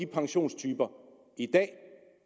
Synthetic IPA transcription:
ipʰɑ̈ŋɕo̝̰ːnst͡sʰyːb̥ɐ | id̥ɛ̰ː

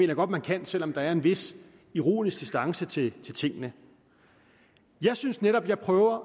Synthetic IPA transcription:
me̝ːnɐjɡ̥ɒ̽d̥mænkʰæn̰sel̰ɒ̽md̥ɑ̈æɐe̝nʋe̝s | iʁo̝̰ːnisɡ̥̚d̥isd̥ɑ̈ŋsət͡sʰe̝lt͡sʰe̝lt͡sʰe̝ŋ̰ənə | jɑ̈ɪsynsneɾɒ̽b̥jɑ̈ɪpʰʁœːʊɐ

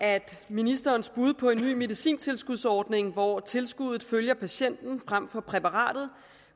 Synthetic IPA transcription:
ʔæd̥minisd̥ɐːnsb̥uð̞ˠpʰɒ̽e̝nːy̰ːme̝ðisḭːnt͡sʰe̝lsɡ̥uðˠsɒːd̥ne̝ŋʋɒt͡sʰe̝lsɡ̥uð̞̰ˠð̩ˠføljɐpʰæɕen̰d̥n̩fʁam̰fɒ̽pʰʁɛpɑ̈ʁɑ̰̈ːd̥ð̩ˠ

